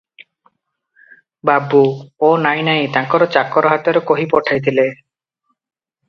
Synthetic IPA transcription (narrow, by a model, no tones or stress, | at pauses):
babuonajnajt̪ãŋkɔɾɔt͡ɕakːɔɾoɦat̪eɾokoɦipɔʈʰajt̪ʰile